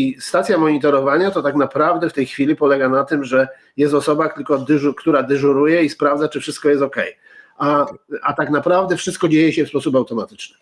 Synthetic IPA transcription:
ist̪at̪sʲjamɔɲit̪ɔɾɔvaɲat̪ɔt̪aknapɾavd̪ɛft̪ɛjxfʲilʲipɔlɛɡanat̪ɘmʐɛ | jɛst̪ɔsɔbakt̪ɘlkɔd̪kt̪uɾad̪ɛʐuɾujɛispɾavd̪zat͡ʂɘfʂɘst̪̚kɔjɛst̪ɔkɛj | aat̪aknapɾavd̪ɛfʂɘst̪̚kɔd͡ʑejɛɕɛfspɔsup̬awt̪ɔmat̪ɘ̥t͡ʂnɘ

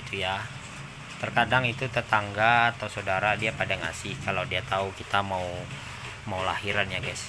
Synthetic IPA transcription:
it̪uja | t̪ərkadaŋit̪ut̪ət̪aŋɡaːt̪ausadaɾadiapadaŋa̰sɪhkalawdiat̪aukit̪amau | maulahiɾanjaɡajs

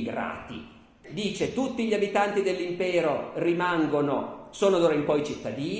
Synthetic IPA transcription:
ɡɾa̰ːt̪ḭ | d̪iːt͡ʃet̪ut̪ːiʎabit̪ant̪id̪elːimpɛːɾorimaŋɡono̰soːnod̪oːɾaimpɔit͡ʃit̪ːad̪iː

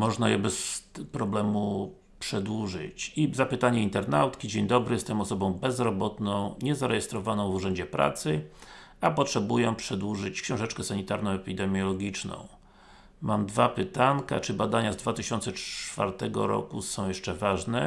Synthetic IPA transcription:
mɔʐnajɛbɛspɾɔblɛmu | pʂɛd̪wuʐɘ̰t͡ɕizapɘt̪aɲɛint̪ɛɾna̰wt̪kʲid͡ʑeɲd̪ɔbɾɘjɛst̪ɛmɔsɔbɔ̃w̃bɛzɾɔbɔt̪nɔ̃w̃ɲɛzaɾɛjɛst̪ɾɔvanɔ̃w̃vuʐɛɲd͡ʑɛpɾʔa̰t̪sɘ | apɔtʂɛbujɛpʂɛd̪wuʐɘt͡ɕkɕɔ̃w̃ʐɛt͡ʂkɛsaɲit̪aɾnɔ̃w̃ɛpʲid̪ɛmʲjɔlɔɡʲit͡ʂnɔ̰̃w̃ | mamd̪vapɘt̪aŋka̰t͡ʂɘbad̪aɲazd̪vat̪ɘɕɔnt̪sɛt͡ʂfa̰ɾt̪ɛɡɔ̰ɾɔ̰kusɔ̃w̃jɛʂt͡ʂɛvaʐnɛ

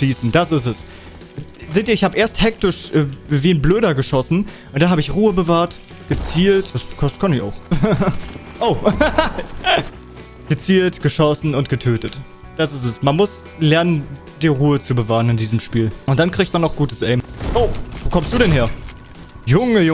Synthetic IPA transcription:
ʃiːsn̩d̥asɪs̬ɛs | zeːtiːɐɪçhaːbəʔeːɐsthɛk̚tɪʃʔɛːviːɪnbløːɾɐɡəʃɔsn̩ | ʔʊntd̥anhaːbəɪçʁuːəbəvaːɐt | ɡ̥ət͡siːltd̥askʰaskʰanɪça̰ʊx | ʔoʊ | ɡ̥ət͡siːltɡ̥əʃɔsn̩ʊnt̚ɡ̥ətʰøːtət | d̥asɪstɛsmanmʊs | lɛɐnən | d̥iːɐʁuːət͡subəvaːʁənɪndiːzəmʃpiːlʔʊnt̚d̥ankʁ̥iːçtmanːaʊxɡ̥uːtəsʔɛɪmʔoːvoːkʰɔmstd̥uːdɛnheːɐ | jʊŋəjʊ

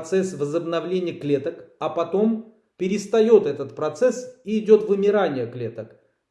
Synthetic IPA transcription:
t̪sɛsvəzəbnɐvlʲenʲɪjəklʲe̞t̪əkɐpɐt̪o̞m | pʲɪɾʲɪst̪ɐjo̞t̪ɛt̪ət̪pɾɐt̪sɛsiːdʲo̞t̪vɨmʲɪɾanʲɪjəklʲe̞t̪ək

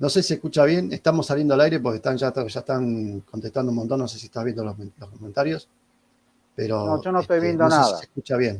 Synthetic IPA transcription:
no̞sesiehkut͡ʃaβje̞nest̪amo̞salje̞nd̪oalajɾe̞p̬oɾkehst̪anʒat̪oʒae̥t̪aŋkont̪e̞kt̪and̪oumont̪o̞nːnose̞sieht̪aɦβjend̪olomlohkoment̪aɾjos | peɾo̞oʒonot̪ojβjend̪onaðasekut͡ʃaβje̞n

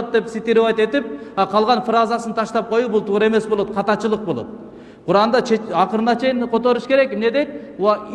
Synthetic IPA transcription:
t̪̚d̪e̞psit̪iɾovɑjt̪e̞t̪ip̚ɑqʰɑlˠʁɑnfrazɑsɨnt̪ʰɑʃt̪ɑp̚qʰo̞jubulˠt̪ʰuːɾɑe̞me̞sbo̞lˠo̞t̪̚qʰɑt̪ɑt͡ʃɯlˠəq̚bo̞lˠo̞̰t̪̚ | qʰuɾɑnd̪ɑt͡ʃʰeɑqəɾɯnɑt͡ʃʰe̞jinqʰo̞t̪o̞ɾuʃkʲe̞ɾe̞kmne̞d̪e̞jt̪̚ɑ

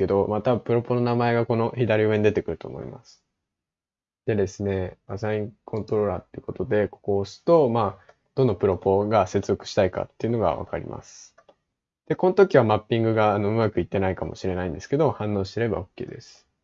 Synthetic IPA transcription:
ke̞d̪o̞mat̪abɯ̃pɯ̟ɾo̞po̞no̞namae̞ɡako̞no̞çid̪aɾʲioeɲid̪et̪e̞kɯ̟ɾɯ̟t̪o̞̰mo̞̰ḭma̰sɨ̥ | d̪̥e̞d̪e̞sɨne̞asaĩŋkʰõ̞nt̪o̞ɾo̞ːɾa̰ːt̪ːejɯ̟ko̞t̪o̞d̪e̞ko̞̥ko̞ːsɨ̥t̪o̞maː | d̪̥o̞nːopɯ̟ɾo̞po̞ɡase̞t͡sɨzo̞kɯ̟̥ɕi̥t̪aika̰t̪ːe̞iɯ̟no̞ɡa̰βa̰ka̰ɾʲḭma̰sɨ̥ | d̪̥e̞ko̞not̪o̞kʲiβamapʲːĩŋɡɯ̟ɡaːnoɯ̟makɯ̟it̪ːe̞naikamo̞̰ɕiɾe̞naĩnd̪esɨ̥ke̞d̪o̞hãnːõ̞ːɕi̥t̪e̞ɾe̞ba̰o̞kʲːḛːd̪e̞sɨ̥

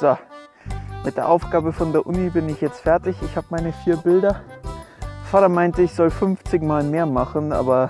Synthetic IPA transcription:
z̥o | mʔɪt̚d̥eːɐʔaʊfɡ̥aːbəfɔndeːɐʔʊnibɪnɪçjɛt͡stfɛɐtɪçɪçhaːbəmaɪnəfiːɐbɪldɐ | d̥eɐfaːtɐmaɪntəɪçz̥ɔlfʏnft͡sɪçmaːlmeːɐmaχn̩ʔa̰ːbɐ

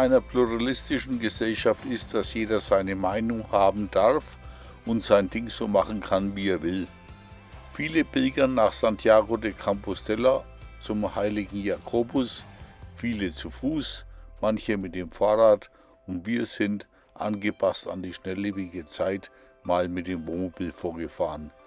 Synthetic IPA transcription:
ʔaɪnɐpʰluʁalɪstɪʃn̩ɡəzɛlʃaftɪst̚d̥asjeːdɐzaɪnəmaɪnʊŋhaːbm̩d̥aʁf | ʔʊntz̥aɪndɪŋz̥oːmaχn̩kʰanviːeːɐvɪl | fiːləb̥ɪlɡɐnːaːχsantʰjaːɡodekʰampɔstʰɛla | t͡sʊmhaɪlɪɡŋ̩jakʰoːbʊsfiːlət͡sufuːsmançəmɪt̚d̥eːmfaːʁaːt | ʊntv̥iːɐz̥ɪnt | ʔa̰nɡəpʰasta̰ndiːʃnɛleːbɪɡət͡saɪt | maːlmɪt̚d̥eːmvoːmbilfoːɐɡəfaːʁən

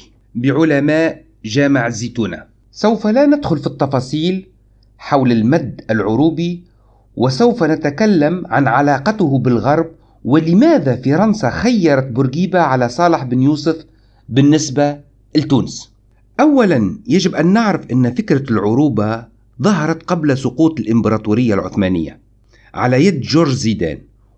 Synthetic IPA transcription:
bɪʕʊlamaːʔ | ʒaːmaʕziːt̪uːna̰ | sawfalanad̪xʊlfit̪ˤːɑfɑːsˤiːl | ħawlɪlmad̪ːɪlʕʊɾuːbi | wʔɪsawfanɪt̪akalːamʕa̰nʕalɑːqɑt̪ʊhbɪlɣɑɾˤb̚ | wɪlɪmæːðafiɾˤɑnsaxajːɑɾˤɑt̪̚bʊɾɡiːbaʕalasˤɑːlɪħbɪnjuːsʊf | bɪnːɪsba | lt̪uːnɪs | ʔawːalanjaʒɪbʔanːɪʕɾɪfʔɪnːfɪkɾalʕʊɾuːba | ðˤɑɦɑɾˤɑt̪qɑblasʊquːt̪ɪlʔɪmbɑɾˤɑːt̪uːɾɪjːalʕʊ̰θmaːnɪ̰jːa̰ | ʕa̰lajad̪ʒʊɾʒziːd̪a̰ːn

